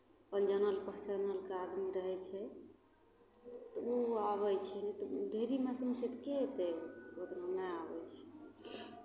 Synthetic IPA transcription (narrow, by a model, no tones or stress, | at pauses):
pəld͡ʒənəlpəɦt͡ʃənəlkead̪miɾəɦɛt͡ʃʰɛ | t̪ɔuaβəjt͡ʃʰɛnɛt̪ɔɖʱeɾimasumt͡ʃʰɛt̪ket̪eɡot̪nonɛabɛt͡ʃʰɛ̥